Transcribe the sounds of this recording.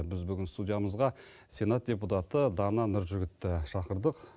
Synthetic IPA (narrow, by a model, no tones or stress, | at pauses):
bɪzbʏɡʲɪnst̪udʲijaməzʁɑ | sʲe̞nat̪̚d̥ʲe̞put̪at̪əd̪ɑnɑnʊɾʒʏɡʲɪt̪ːɪʃɑqəɾd̪əq